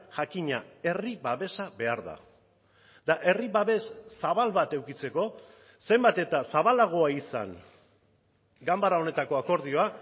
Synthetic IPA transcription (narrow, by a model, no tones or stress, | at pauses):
ʝakiɲae̞riβaβe̞saβe̞aɾða̰ | d̪aʔe̞riβaβe̞ssaβ̞alβat̪e̞wkit͡se̞ko̞ | se̞mbat̪e̞t̪asaβalaɣ̞o̞aisa̰n | ɡambaɾao̞ne̞t̪ako̞ako̞ɾð̞io̞a